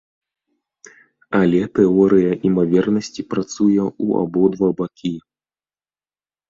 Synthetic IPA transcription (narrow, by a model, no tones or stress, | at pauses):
ɐlʲɛt̪ɛɔɾɨjɐʔimavʲɛrnɐsʲt͡sʲipɾat̪sujɛua̰bɔd̪vabakʲi